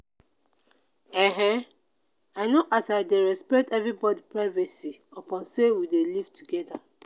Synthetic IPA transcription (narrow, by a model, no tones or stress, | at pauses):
ɛɦɛ̃ | aɪnoʔasaɪdeɹɛspɛk̚tɛvɹibɔdipɹaɪvɛsiopɔ̃nsewidelivtuɡɛda